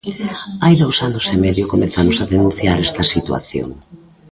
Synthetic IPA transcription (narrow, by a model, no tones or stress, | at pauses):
ajðowsanʊsemɛðjokomeθamʊsɐðenũnθjaɾɛst̪ɐsit̪wa̰θjo̰ŋ